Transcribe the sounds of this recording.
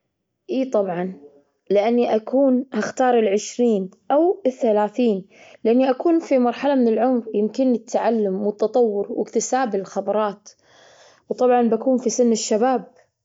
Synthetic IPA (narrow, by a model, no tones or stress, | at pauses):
ʔiːt̪ˤɑbʕɑn | lɪʔanːiʔakʰuːnhaxt̪ɑːɾˤɪlʕɪʃɾiːnʔawɪθːalaːθiːn | lɪʔanːiʔakuːnfimɑɾˤħalamɪnɪlʕʊmɾjɪmkɪnɪt̪ʰːaʕalːʊmwɪt̪ːɑt̪ˤɑwːʊɾwɪ̰kt̪ɪsaːbɪllxɑbɑɾˤɑːt̪ | wt̪ˤɑbʕɑnbakuːnfisɪnːɪʃːabaːb̚